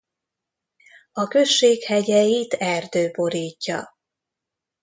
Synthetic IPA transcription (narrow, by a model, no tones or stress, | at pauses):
ɒkø̞ʃːeːkhɛɟɛjit̪ɛrd̪øːbo̞ɾiːcːɒ̰